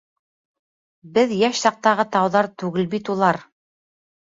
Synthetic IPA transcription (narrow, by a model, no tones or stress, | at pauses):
bɘðjæʃsɑq̚t̪ɑʁɤt̪ɑwðɑɾt̪ʉɡɘlbit̪ulˠɑɾ